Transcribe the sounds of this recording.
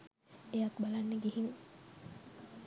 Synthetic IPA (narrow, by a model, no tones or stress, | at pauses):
ejakbalanːeɡihiŋ